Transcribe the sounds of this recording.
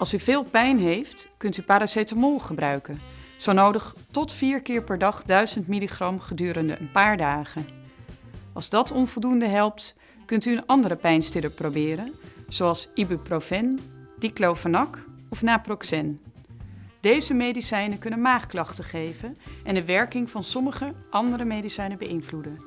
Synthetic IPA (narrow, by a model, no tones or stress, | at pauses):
ɑlˠsyvɪːlˠpɛjnɦejftkɵntypaːɾasejtamɔlˠχəbrœɥkənz̥ownowdəχtɔtfiːɹkɪːɹpɛɹdɑχdœɥzəntmiliχrɑmχədyːɾəndə̰ʔənpaːɹdaːχən | ɑ̰lˠzdɑtɔnvɔlˠdundəɦɛlˠp̚t | kɵntyənɑndərəpɛjnstɪləprowbɪːɾənz̥owɑlˠsibəprofɛnd̥iklowfənɑkɔfnaːprɔksɛn | d̥ejzəmejdisɛjnəkɵnənmaːχklɑχtəχejvənʔɛndəʋɛɹkɪŋvɑnsɔməχəʔɑndərəmejdisɛjnəbəʔɪnvludən